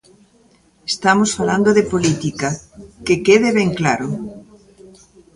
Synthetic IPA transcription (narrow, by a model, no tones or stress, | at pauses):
est̪amosfaland̪oðepolit̪ikɐkekeðɪβeŋklaɾʊ